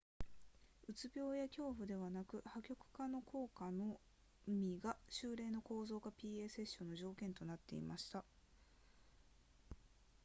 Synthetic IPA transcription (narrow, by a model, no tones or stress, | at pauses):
ɯ̟t͡sɨbʲjo̞ːjakʲo̞ːɸɯ̟d̪e̞βanakɯ̟hakʲo̞kɯ̟̥kano̞kʰo̞ːkano̞ | mʲiɡaɕɨːɾe̞ːno̞ko̞ːzo̞ːɡapʲiːe̞ːse̞ɕːõ̞nːo̞ʑo̞ːkẽ̞nt̪o̞nat̪ːe̞̰ḭmaɕi̥t̪a